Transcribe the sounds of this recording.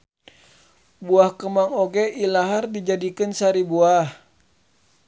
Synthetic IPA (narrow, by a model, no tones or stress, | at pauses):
buahkəmaŋoɡeʔilaɦardid͡ʒadikɨnsaɾibuah